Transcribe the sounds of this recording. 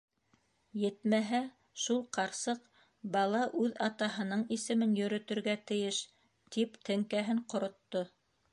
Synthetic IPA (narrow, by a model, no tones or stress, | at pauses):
jɘt̪mæɦæ | ʃulˠqɑɾsɤq | bɑlˠɑʔʉðɑt̪ɑɦɤ̆nɤɴisɘ̆mɘnjɵ̆ɾɵ̆t̪ɵ̆ɾɡæt̪ɘ̆jɘʃ | t̪ipt̪ɘ̆ŋkæɦɘɴqŏɾŏt̪ːo